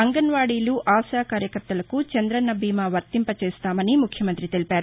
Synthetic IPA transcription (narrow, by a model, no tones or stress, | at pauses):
ɐŋɡɐnʋaːɽiːluʔaːʃaːkaːɾjɐkɐɾt̪ːɐlɐkut͡ʃɐnd̪ɾɐnɐbʱiːmɐʋɐɾt̪impɐt͡ʃeːst̪aːmɐnimukʰjɐmɐnt̪ɾit̪elipaːɾu